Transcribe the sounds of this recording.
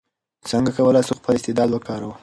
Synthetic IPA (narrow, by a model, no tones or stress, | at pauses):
səŋɡakawəlasuxpəlɪst̪ɪd̪ɑd̪wəkɑɾaw